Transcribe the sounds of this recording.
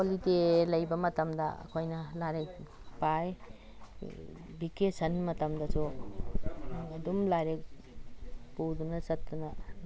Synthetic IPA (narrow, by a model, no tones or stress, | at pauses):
kolitelɐjbɐmɐtɐmdɐ̰ɐ̰kʰojnɐlaɾek̚ | paj | bikesɐnmɐtɐmdɐso | dumlaɾek̚ | pudumnɐsɐtːdunɐ